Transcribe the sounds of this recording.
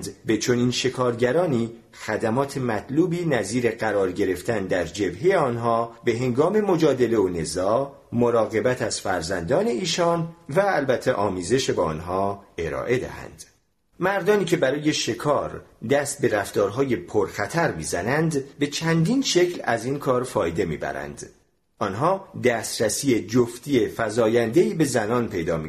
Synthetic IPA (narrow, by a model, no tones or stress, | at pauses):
d̪be̞t͡ʃʰo̞niːnʃe̞kʰɒːɾɟæɾɒːniː | xæd̪æmɒːt̪ʰe̞mæt̪ʰluːbiːnæziːɾe̞ɢæɾɒːɾɟe̞ɾe̞ft̪ʰænd̪æɾd͡ʒe̞bɦejeɒːnɦɒːbe̞ɦe̞ŋɡɒːme̞mo̞d͡ʒɒːd̪e̞le̞one̞zɒː | moɾɒːɣe̞bæt̪ʰæz̥fæɾzænd̪ɒːne̞iːʃɒːnvæːlbæt̪ʰːeʔɒːmiːze̞ʃebɒ̰ːnɦɒːe̞ɾɒ̰ːʔe̞d̪æ̰hæ̰nd̪̥ | mæɾd̪ɒːniːcʰe̞bæɾɒːje̞ʃe̞kʰɒːɾd̪æst̪̚be̞ɾæft̪ɒːɾɦɒːje̞pʰoɾxæt̪ʰæɾmiːzænænd̪be̞t͡ʃʰænd̪iːnʃe̞cʰlæ̰ziːnkʰɒːɾfɒːjd̪e̞mḭːbæ̰ɾæ̰nd̪̥ | ʔɒnɦɒːd̪æst̪ɾæsiːed͡ʒoft̪iːe̞fæzɒːjænd̪eiːbe̞zænɒːnpʰe̞jd̪ɒ̰ːmi